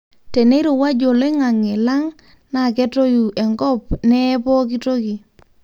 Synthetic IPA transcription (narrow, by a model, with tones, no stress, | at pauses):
te˨ne˦ɾo˨wa˦d͡ʒo˨le˦ŋa˨ŋɛ˨la˦ŋ | na˨kɛ˦to˦ju˨ɛ˨ŋɡɔ˦p̚nɛ˦pɔ˦k̬i˦to˦ki˨